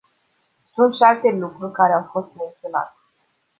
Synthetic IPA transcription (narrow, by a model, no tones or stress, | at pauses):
sunt̪ʃialt̪e̞lukɾurʲkaɾeawfo̞st̪me̞nt̪sijona̰t̪e̥